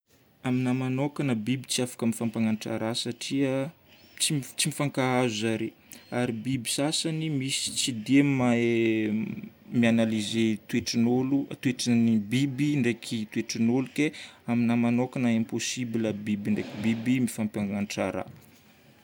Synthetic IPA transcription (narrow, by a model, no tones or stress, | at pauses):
aminamanokanəbibit͡siafḁkəmifampaŋanʈ͡ʂa̰ɾasaʈ͡ʂiə | t͡sit͡simifaŋkaazuzaɾe | aɾibibi̥sasanimisi̥t͡sid̪emae | mianalizet̪ueʈ͡ʂinolut̪weʈ͡ʂanibibiɳɖ͡ʐekʰit̪weʈ͡ʂinolukeaminamanokanaemposibiləbibiɳɖ͡ʐekibibimifampaŋanʈ͡ʂa̰ɾa̰